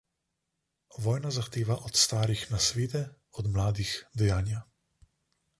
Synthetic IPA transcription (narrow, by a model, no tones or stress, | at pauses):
ʋɔːjnazaxt̪eːʋaʔɔt̪st̪aːɾixnasʋeːd̪ɛ | ɔd̪mlaːd̪ixd̪ɛjaːnja